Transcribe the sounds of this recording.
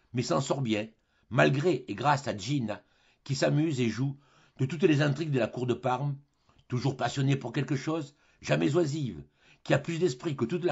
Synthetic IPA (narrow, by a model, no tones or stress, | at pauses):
mɛsɑ̃sɔʁbjɛ̃ | malɡʁeʔeɡʁasaʒina | kʲisamyzeʒu | d̪̥ət̪ut̪lezɛ̃t̪χiɡd̪əlakuʁd̪əpaʁm | t̪uʒuʁpasjɔnepuʁkʲɛlkəʃɔz | ʒamɛzwaziv | kʲiaplysd̪ɛspχikət̪ut̪l